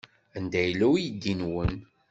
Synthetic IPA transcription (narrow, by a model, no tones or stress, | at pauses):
ənd̪æjlːæwjid̪ːinwən